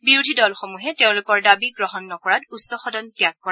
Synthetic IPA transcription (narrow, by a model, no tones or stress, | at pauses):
biɹudʱidɔlxomuɦɛteʊ̃lʊkɔɹdabiɡɹɔɦɔnːɔkɔɹatusːɔxɔdɔntjakːɔɹa